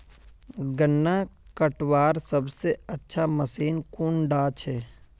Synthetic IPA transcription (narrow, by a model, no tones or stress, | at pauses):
ɡənːakəʈwaːɾsəbseətːʃʰaməsiːnkuːɳɖaːt͡ʃʰeː